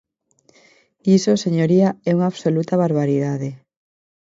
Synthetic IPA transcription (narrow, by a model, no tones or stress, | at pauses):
isoseɲoɾiaɛuŋaːβsolut̪aβaɾβ̞aɾiðað̞e